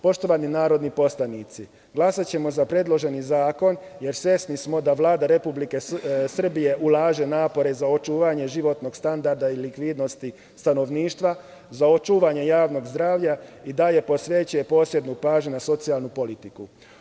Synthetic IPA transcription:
po̞ʃt̪o̞ʋaninaːɾo̞d̪nipo̞slanit̪si | ɡlˠasat͡ɕe̞mo̞zapɾe̞d̪lˠo̞ʒe̞nizaːko̞n | je̞ɾsʋjesnismo̞d̪aʋlaːd̪aɾe̞publike̞sr̩bije̞ʔulˠaːʒe̞naːpo̞ɾe̞zao̞t͡ʃuːʋaɲe̞ʒiʋo̞t̪no̞ɡ̥st̪and̪aɾd̪ailikʋid̪no̞st̪i | st̪ano̞ʋniːʃt̪ʋa | zao̞t͡ʃuːʋaɲe̞jaːʋno̞ɡzd̪ɾaːʋʎaid̪aje̞po̞sʋet͡ɕuje̞po̞ːsje̞d̪nupaːʒɲunaso̞t̪sialˠnupo̞lit̪iku

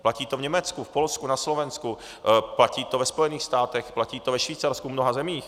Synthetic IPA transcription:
placiːt̪ovɲɛmɛt͡skufpo̞lskunaslovɛnsku | placiːt̪ovɛspo̞jɛniːxst̪aːt̪ɛxplaciːt̪ovɛʃviːt͡saɾskumnoɦazɛmiːx

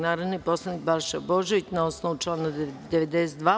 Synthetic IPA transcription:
naːɾod̪nipo̞slˠad̪nik̚baɾʃɛoboʒeʋit͡ɕnaosnoʋut͡ʃlˠaːnad̪eʋed̪eset̪d̪ʋaː

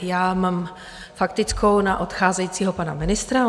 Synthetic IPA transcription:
jaːmaːm | fakt̪ɪt͡skʰownaʔot̪xaːzɛjiːt͡siːɦopana̰mɪnɪst̪ɾa

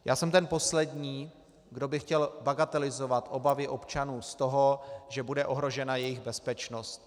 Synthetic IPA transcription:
jʔa̰ːsɛmt̪ɛnpo̞slɛdɲiː | ɡdo̞bɪxcɛlbaɡat̪ɛlɪzo̞vat̪ʔo̞bavɪʔo̞pt͡ʃanuːst̪o̞ɦo̞ʒɛbudɛʔo̞ɦɾo̞ʒɛnajɛjɪɣbɛspɛt͡ʃno̞st̪

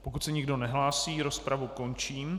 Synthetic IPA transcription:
pokut̪sɛɲɪɡdo̞nɛɦlaːsiːɾo̞spɾavuko̞nt͡ʃiːm

